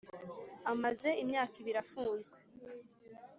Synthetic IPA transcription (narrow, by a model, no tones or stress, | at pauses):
amaze̞imɲaːkiβiɾafuːnzɡwe